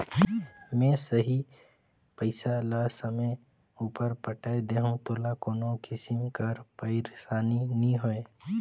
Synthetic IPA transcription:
mɛ̃səɦi | pəɪsalasəmə | uːpəɾpəʈaed̪eːɦũt̪oːlakoːnokɪsɪmkəɾpəɪɾsaːninĩɦoe

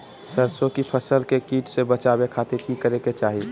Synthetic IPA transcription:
səɾsõkipʰəsəlkekiːʈsebət͡ʃaːbekʰaːt̪ekikəɾeket͡ʃaːɦi

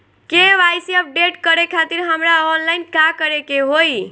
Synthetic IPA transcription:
keʋajsiəp̚ɖeʈkəɾekʰat̪iɾɦəmɾaɔnlaɪnkakəɾekeɦoj

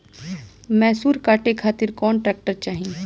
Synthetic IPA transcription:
mɛːsuːɾkaːʈekʰaːt̪ɪɾkɔːnʈɾɛːk̚ʈəɾt͡ʃaːɦĩ

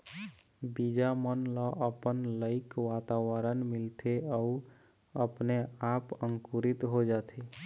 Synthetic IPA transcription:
bid͡ʒamənləʔəpənləɪkʋat̪aʋəɾənmilt̪ʰeəu | əpneapəŋkuɾit̪ɦod͡ʒat̪ʰe

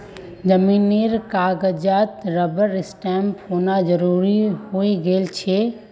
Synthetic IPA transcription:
d͡ʒəmiːneːɾkaːɡəd͡ʒaːt̪ɾəbəɾɪsʈɛːmpoːnad͡ʒəɾuːɾihoiɡəlt͡ʃʰe

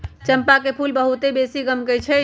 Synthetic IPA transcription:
t͡ʃəmpakepʰulbəɦut̪ebesiɡəmkət͡ʃʰɛ

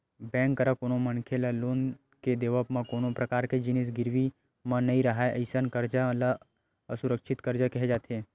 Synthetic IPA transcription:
bɛ̃ːŋkːəɾəkoːnomənkʰelaloːn | ked̪eːʋəpmãkoːnopɾɐkaːɾked͡ʒɪnis̬ɡɪɾʋi | mãnɐĩɾɐɦaeʔə̰ɪsənkəɾd͡ʒala | əsʊɾəkʃɪt̪kəɾd͡ʒakɛɦɛd͡ʒaːt̪e

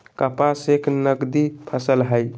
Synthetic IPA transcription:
kəpasekʰnəɡd̪ipʰəsəlɦəj

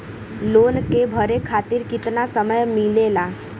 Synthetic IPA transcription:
loːnkebʱəɾekʰaːt̪iɾkɪt̪nasəməjmɪlela

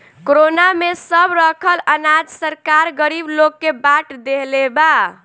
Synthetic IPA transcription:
koɾonamesəbɾəkʰələnad͡ʒsəɾkaɾɡəɾiblokːebaʈd̪eɦleba

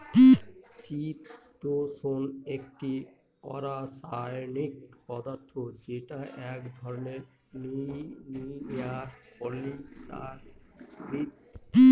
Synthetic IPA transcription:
t͡ɕitːt̪osonek̚ʈi | ɔ̰ɾasajonik̚pɔd̪aɾt̪ʰod͡ʑeʈaʔɛkd̪ʱɔɾoneɾ | ninijaɾpɔlisa̰ɾɾi

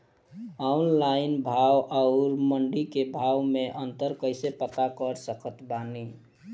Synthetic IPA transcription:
aʊnlaɪnbʱawʔaʊɾməɳɖikebʱawmeʔənt̪əɾkəɪsepət̪akəɾsəkət̪bani

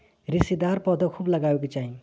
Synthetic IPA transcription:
ɾisid̪aɾpɔd̪əkʰubləɡaeket͡ʃaɦĩ

